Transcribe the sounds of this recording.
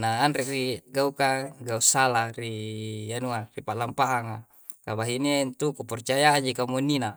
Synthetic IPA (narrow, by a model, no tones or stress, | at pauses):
naːnrɛʔriɡaukaɡausalarijanuaripaʔlampaɦaŋa | kabaɦiniant̪ukupɔrt͡ʃajaad͡ʒikamunːina